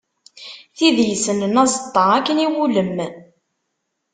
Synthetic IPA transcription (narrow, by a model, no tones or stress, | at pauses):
θiðjəsənənæzˤət̪ˤːɑʁækːəniwuləmː